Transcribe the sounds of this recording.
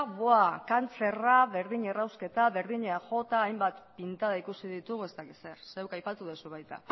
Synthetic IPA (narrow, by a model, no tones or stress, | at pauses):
βoakant͡se̞raβe̞ɾðiɲerawske̞t̪aβe̞ɾðiɲeaʝo̞t̪aːjmbat̪pint̪aðaikusiðit̪uɣe̞st̪akise̞ɾse̞wkajpat̪uðosuβ̞ajt̪a̰